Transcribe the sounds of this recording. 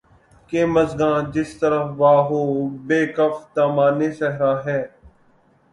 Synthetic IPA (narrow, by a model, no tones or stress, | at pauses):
keːməzɡãːd͡ʒɪst̪əɾəfʋaːɦoːbeːkəft̪aːmaːneːʃɛɦɾaːɦɛː